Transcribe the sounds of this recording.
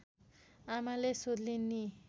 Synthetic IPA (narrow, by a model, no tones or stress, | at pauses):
amalesod̪linːi